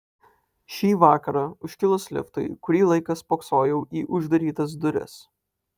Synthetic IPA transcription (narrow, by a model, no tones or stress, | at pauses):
ʃʲiːʋɑːkɐɾɑʊʃʲkʲɪlˠʊsʲlʲɪ̰ft̪ɐ̰ɪkʊɾʲiːlˠɐɪkɐspoːksoːjɛʊʔiːʔʊʒd̪ɐɾʲiːt̪ɐs̬d̪ʊɾʲɪ̰s